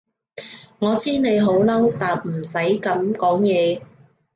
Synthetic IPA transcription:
ŋɔː˨˧t͡siː˥ne˨˧jɦo˨˥wlɐ˥wt̪aː˨p̚m̩˨˩sɐ˨˥jkɐ˨˧mkɔː˨˥ŋjɛː˨˧

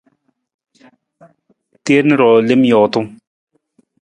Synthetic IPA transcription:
t̪eː˦ɾnə˦ɾɔː˨le˦mjɔ˨t̪ʊ˦ŋ

